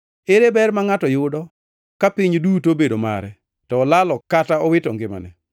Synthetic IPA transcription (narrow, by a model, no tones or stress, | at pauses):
eɾebɛrmaŋatɔjʊdɔ | kapɪɲdutobedoma̰ɾɛ | tɔːlalɔkataɔwɪtɔŋɡɪma̰nɛ